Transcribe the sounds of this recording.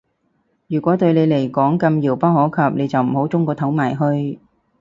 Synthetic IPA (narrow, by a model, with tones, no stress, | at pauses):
jyː˨˩kʷɔː˨˥t̪ɵ˧ɥle˨˧jle˨˩jkɔː˨˥ŋkɐ˧mjiː˨˩wpaː˥whɔː˨˥wkʰɐ˨˩p̚ne˨˧jt͡sɐ˨wm̩˨˩ho˨˥wt͡sʊ˥ŋkɔː˧t̪ʰɐ˨˥wmaː˨˩jɦɵ˧ɥ